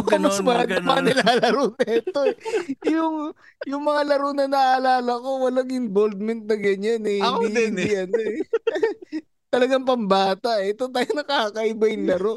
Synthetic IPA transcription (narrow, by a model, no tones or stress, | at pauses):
kɐmɐspɐjɐnɐmɐanɪlaːlɐɾonɐʔɛt̪oɛjʊŋ | jʊŋmɐŋalɐɾonɐnɐʔɐlaːlɐko̞wɐlɐŋɪnbold̪̚mɛnt̪̚nɐɡɐɲanɛ | jɐn | t̪ɐlɐɡaŋp̬ɐmbaːt̪ɐʔɛt̪ot̪aːjonɐkakɐʔɪbɐjɪŋlɐɾo